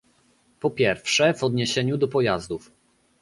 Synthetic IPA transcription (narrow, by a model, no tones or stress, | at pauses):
pɔpʲjɛɾfʂɛvɔd̪ɲeɕɛɲud̪ɔpɔjazd̪uf